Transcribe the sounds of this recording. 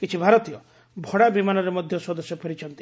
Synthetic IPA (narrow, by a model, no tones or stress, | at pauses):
kit͡ʃʰibʱaɾɔt̪ijɔ | bʱɔɽabimanɔɾemɔd̪ʱjɔswɔd̪ɔsjɔpʰeɾit͡ʃʰɔnt̪i̥